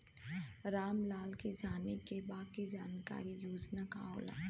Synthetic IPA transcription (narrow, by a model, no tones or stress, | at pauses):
ɾaːmlaːlked͡ʒaːnekebaːkid͡ʒaːnka̰ːɾijuːd͡ʒnaka̰o̰ːla̰